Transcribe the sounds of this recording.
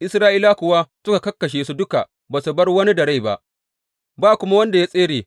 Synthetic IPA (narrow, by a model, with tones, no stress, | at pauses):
ʔɪ˦sɾaː˦ʔiː˦la˦kʷʊ˨wa˦sʊ˦ka˨kɐ˦kːɐ˨ʃ̬eː˨su˦dʊ˦ka̰˨ | baː˨su˨bɐ˦rwɐ˦ni˦dɐ˨ɽa˦jba̰˦ʔ | baː˦˨kʷʊ˦ma˦wɐ˦nda˨ja˦sʼeː˦ɽeː˨